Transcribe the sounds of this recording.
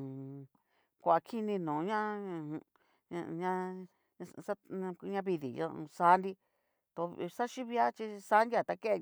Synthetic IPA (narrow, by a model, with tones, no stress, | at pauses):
kʷa˧kʰi˦nĩ˧nũː˨˦ɲã˦˧ | ɲã˧ | sã˦˧ɲã˧βi˧ðḭ˨jõ̰˧sa˨˧˦nd̪i˦ | t̪o˧˦sa˦ʃi˦βi˧˦a˦t͡ʃi˧sa˧˦ndi˦a˧˨t̪a˧ke˦ʔ